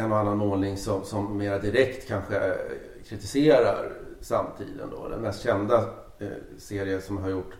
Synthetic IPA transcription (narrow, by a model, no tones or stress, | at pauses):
ɛnːɔanːanmoːnɪŋsɔmsɔmːeːɾad̪ɪɾɛkt̪kʰanɧə | kʰɾɪt̪ɪseːɾa̰ɾsamt̪ʰḭːd̪ə̰nd̪ɔ̰d̪ɛ̰nmɛst̪ɕɛnd̪a | seːɾɪəsɔmɦaɾjʊʈː